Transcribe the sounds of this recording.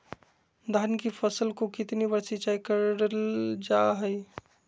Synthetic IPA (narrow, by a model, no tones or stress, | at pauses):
d̪ʱankipʰəsəlkokɪt̪nibəɾsit͡ʃaikəɾɾəld͡ʒaɦəj